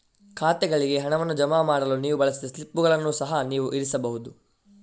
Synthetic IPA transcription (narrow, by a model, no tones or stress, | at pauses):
kʰaːt̪ɛɡɐɭiɡe̞ɦɐɳɐʋɐnːud͡ʒɐmaːmaːɽɐluniːʋubɐɭɐsid̪ɐslipːuɡɐɭɐnːusɐɦɐniːʋuʔiɾisɐbɐɦud̪u